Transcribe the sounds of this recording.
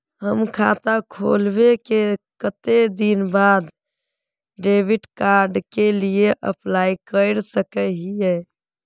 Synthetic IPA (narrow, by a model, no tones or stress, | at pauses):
ɦəmkʰat̪akʰo̰lbekekət̪ed̪inbad̪ | ɖebiʈkaɾɖkelieʔə̰plaikəɪɾsəkɛɦiɛ